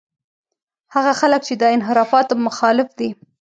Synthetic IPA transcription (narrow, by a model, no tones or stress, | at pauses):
haɣaxalək̚t͡ʃed̪əɪnɦɪɾɑfɑt̪mʊxɑlɪfd̪i